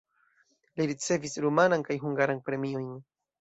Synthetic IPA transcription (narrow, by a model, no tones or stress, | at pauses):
liɾit͡se̞visɾumanaŋkajɦuŋɡaɾaŋpɾe̞miojn